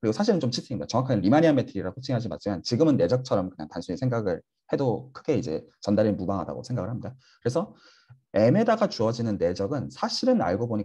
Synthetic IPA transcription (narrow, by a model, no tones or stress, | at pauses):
kɯɾiɡosʰaɕʰiɾɯnt͡ɕomt͡ɕʰitʰiŋndat͡ɕʌŋwakʰaɡeɾimaɲiametʰɯɾiɾakʰot͡ɕʰiŋɦad͡ʑima̰t̚t͡ɕ͈ʰimjant͡ɕiɡɯmɯnːe̞d͡ʑʌk̚t͡ɕʰʌɾʌmkɯɲa̰ŋtansʰuɲisʰeŋɡaɡɯɭ | he̞dokʰɯɡe̞id͡ʑe̞̰t͡ɕʌndaɾinmubaŋɦada̰ɡo̰sʰeŋɡaɡɯɭhamɲida | kɯɾesʰʌ | e̞me̞daɡat͡ɕuʌd͡ʑinɯnːe̞d͡ʑʌɡɯnsʰaɕʰiɾɯna̰ɭɡoboɲi